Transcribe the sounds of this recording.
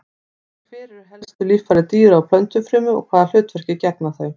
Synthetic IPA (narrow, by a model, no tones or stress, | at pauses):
fɪːɾɪɾ̥ɦɛlst̪ʏlifaɾɪt̪iːʏɾawpʰlœnt̪ʏfɾʏːmʏɔ̰kʰvaːðal̥ʏːt̪vɛɾ̥cɪcɛpnaθœɥ